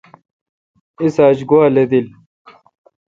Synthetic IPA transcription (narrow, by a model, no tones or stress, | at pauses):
isaːt͡ɕɡuaːled̪il